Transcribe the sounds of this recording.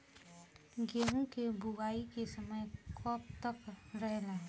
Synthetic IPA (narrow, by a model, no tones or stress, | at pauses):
ɡeːɦũkebuʋaːikesəməjkʰɔːp̚t̪əkɾəɦlaɦɛ